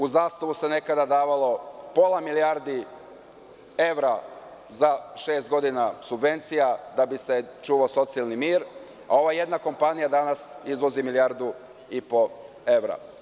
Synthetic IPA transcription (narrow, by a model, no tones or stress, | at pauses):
uzaːst̪aʋuse̞ne̞kad̪ad̪aːʋalˠo̞po̞lˠamiliaɾd̪i | e̞ʋɾa | zaʃe̞ːst̪̚ɡo̞d̪inasubʋe̞nt̪sijad̪abise̞t͡ʃuʋaso̞t̪sialˠnimiːɾ | a̰o̞ʋaje̞d̪nako̞mpanijad̪anasizʋo̞zimilijaɾd̪u | ipo̞ | e̞ʋɾa̰